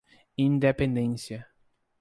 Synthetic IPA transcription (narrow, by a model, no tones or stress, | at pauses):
ĩnd̪epẽnd̪ẽsiɐ